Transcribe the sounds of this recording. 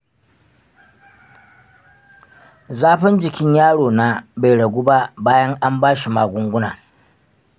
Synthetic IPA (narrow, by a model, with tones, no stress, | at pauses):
zaː˦ɸɪ˦nd͡ʒɪ˨kʲɪ˦ɲjaː˦ɽoː˨na˦ba˨jɽɐ˨ɡʷuː˦ba˦baː˦jɐ˦ŋʔa˦mbaː˦ʃi˨maː˨ɡʷʊ˦ŋɡʷʊ˦na̰ː˨